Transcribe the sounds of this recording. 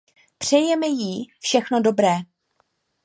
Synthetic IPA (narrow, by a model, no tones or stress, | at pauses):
pr̝̥ɛjɛmɛjifʃɛxnodo̞bɾɛː